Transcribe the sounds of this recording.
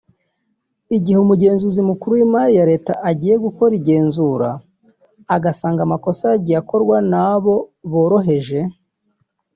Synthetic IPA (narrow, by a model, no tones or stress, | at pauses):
iɟiheumuɟe̞ːnzuzimukuɾuwimaɾijaɾe̞ːtaʔaɟiːje̞ɡuko̞ɾiɟe̞ːnzuɾa̰ː | ɡasaːŋɡamako̞saɟijako̞ɾɡwanaβo̞βo̞ːɾo̞ɦe̞ʒe̞